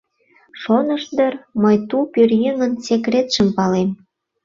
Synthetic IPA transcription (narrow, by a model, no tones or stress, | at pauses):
ʃonəʃd̪ərməjt̪upyrjeŋənsekrʲet̪ʃəmpɑlem